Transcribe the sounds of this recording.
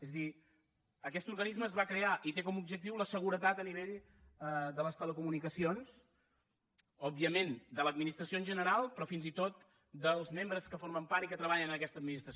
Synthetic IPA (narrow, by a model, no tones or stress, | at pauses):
ezəði | əkɛst̪urɣənizməːzβakɾeaʔit̪ekɔmub̚ʒək̚t̪iwləsəɣuɾət̪at̪əniβeʎ | əd̪ələst̪ələkumunikəsions | ɔbiəmend̪ələd̪minist̪ɾəsionʒənəɾalˠpɾɔfinzit̪ot̪ | d̪əlˠzmembɾəskəfoɾməmpaɾt̪ikət̪ɾəβaʎənəəkɛst̪əd̪minist̪ɾəs